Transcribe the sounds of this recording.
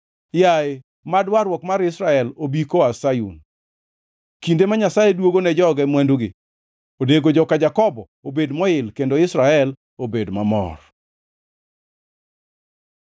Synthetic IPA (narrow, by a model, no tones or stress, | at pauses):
jae | madwaɾwɔkmaɾɪsɾaɛlobikoasajṵn | kindemaɲasajɛdwoɡonɛd͡ʒɔɡɛmwandoɡɪ | odeɡod͡ʒɔkad͡ʒakɔbɔ | obedmɔɪlkendoɪsɾaɛl | obedmamɔ̰r